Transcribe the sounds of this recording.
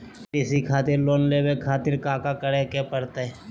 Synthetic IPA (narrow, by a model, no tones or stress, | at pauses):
ɪsikʰaːt̪ɪɾloːnleːbekʰaːt̪ɪɾkaːkakɐɽekepɐɽt̪e